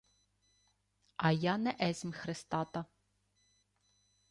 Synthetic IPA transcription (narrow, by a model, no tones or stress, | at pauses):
ɐjanɛʔɛzʲmʲxɾɪst̪ɑt̪ɐ